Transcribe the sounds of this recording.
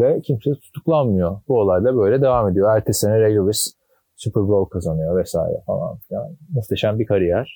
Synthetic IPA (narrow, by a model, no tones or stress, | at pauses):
vɛcʰimset̪ʰu̥t̪ʰuklˠanmɯjo̞buolˠajlˠabø̞jlʲɛd̪e̞vame̞d̪ijoæɾt̪ʰesenɛɾejluvis | sypʰɯɾbolˠkʰazanɯjo̞vɛsa̰ːjɾɛ̰fa̰lˠa̰nfijʲanist̪ʰeʃænbikʰaɾɯjæɾ̥